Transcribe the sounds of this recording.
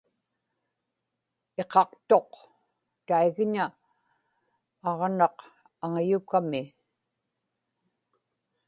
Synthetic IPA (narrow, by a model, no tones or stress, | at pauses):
e̞qɑqt̪o̞q | t̪aiɣɲa | ɑʁnɑq | aŋajukamɪ